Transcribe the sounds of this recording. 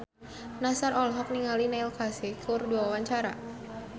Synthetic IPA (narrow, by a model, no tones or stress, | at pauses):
nasarɔlɦɔk̚niŋalinailkasekʰʊrduawaɲt͡ʃaɾa̰